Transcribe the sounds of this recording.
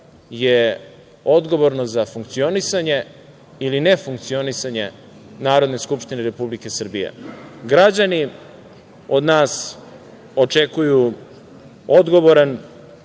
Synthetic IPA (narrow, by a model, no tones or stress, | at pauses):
je | o̞d̪ɡo̞ʋo̞ɾno̞zafuŋk̚t̪sio̞nisaɲe̞ | iline̞fuŋkt̪sio̞nisaɲe̞ | naːɾo̞d̪ne̞skupʃt̪ineɾe̞publike̞sr̩bijḛɡɾad͡ʑani | o̞d̪naːs | o̞t͡ʃe̞kuju | od̪ɡo̞ʋo̞ɾan